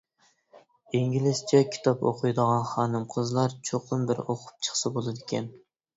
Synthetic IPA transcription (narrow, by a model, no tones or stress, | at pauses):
eŋɡʲilɪst͡ʃʰɛkʲʰi̥t̪ʰɑpo̰qʰʊjd̪əʁɑnχɑːnɨmqʰəzlˠɑɾt͡ʃʰoqʰʊmbɪɾoqʰʊ̥p̚t͡ʃʰə̥χsɨbolˠɨd̪ɪkʲɛn